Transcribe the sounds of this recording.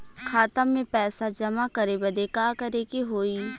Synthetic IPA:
kʰaːt̪əmːẽpɛːsad͡ʒɐmakɐɾebɐd̪ekaːkɐɾekeɦoːiː

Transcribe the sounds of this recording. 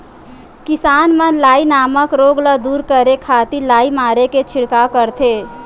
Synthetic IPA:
kisanmẽlaːinaməkɾoɡləd̪uːɾkəɾekʰat̪ilaːimaːɾeket͡ʃʰiɽkakəɾt̪ʰe

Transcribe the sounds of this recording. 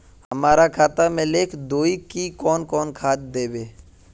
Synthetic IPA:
həmaːɾakʰaːt̪amẽleːkʰd̪oːikikɔːnkɔːnkʰaːt̪̚d̪eːbeː

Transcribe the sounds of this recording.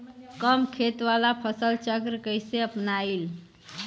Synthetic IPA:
kəmkʰet̪ʋalapʰəsəlt͡ʃəkɾəkəjseəpnail

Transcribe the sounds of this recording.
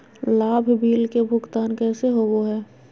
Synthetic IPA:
laːbʱbʱiːlkebʱʊɡt̪aːnkɛːseɦoːɡoɦɛː

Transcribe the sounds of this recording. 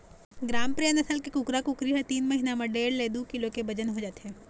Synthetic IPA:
ɡɾaːmpɾijənɐsəlkekʊkɾakʊkɾiɦɛt̪iːnmɐɦinamɐ̃ɖeːɽleːd̪ukɪlõkebɐd͡ʒənɦod͡ʒaːt̪eɦɛ̃ː

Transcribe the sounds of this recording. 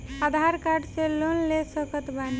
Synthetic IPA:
ad̪ʱaɾkaɾɖselonlesəkət̪bani

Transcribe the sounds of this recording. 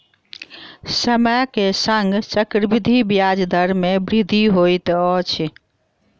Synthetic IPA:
səməkesəŋɡt͡ʃəkɾbid̪ʱibjad͡ʒd̪ʱəɾmebɾid̪ʱiɦojt̪ɔt͡ʃʰ

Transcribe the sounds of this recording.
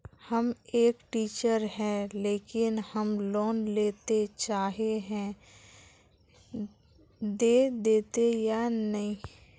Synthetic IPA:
həmeːkʈiːt͡ʃəɾɦɛ̃leːkɪnhəmloːnleːt̪et͡ʃaːɦeɦɛ̃ː | d̪eːd̪eːt̪ejanɐɦĩː

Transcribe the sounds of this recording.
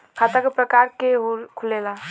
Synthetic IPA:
kʰat̪əkepɾəkaɾkeɦkʰulela

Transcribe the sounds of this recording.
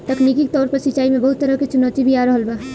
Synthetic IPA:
t̪ɐknikikt̪ɔːɾpəɾsɪt͡ʃːaːimẽbɐɦut̪ːəɾəɦket͡ʃʊnɔːt̪ibʱiaːɾəɦəlba

